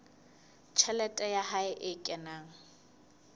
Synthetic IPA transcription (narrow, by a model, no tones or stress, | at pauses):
t͡ʃʰɛlɛtʼɛjaɦaɪʔɪkʼɛnaːŋ̩